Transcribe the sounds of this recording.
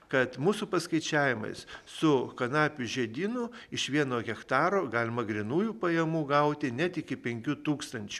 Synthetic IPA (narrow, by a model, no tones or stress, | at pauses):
kɐt̪muːsʊpɐskɐɪt͡ʃʲæːʋʲɪmɐ̰ɪssʊkɐnɑːpʲʊʒʲɛd̪ʲiːnʊɪʃʋʲiɛnoːɣʲɛkt̪ɑːɾoːɡɑːlʲɪmɐɡɾʲɪnuːjupɐjɛmuːɡɐʊt̪ʲɪnʲɛt̪ɪkʲɪpʲɛŋʲkʲut̪uːkst̪ɐnʲt͡ʃʲu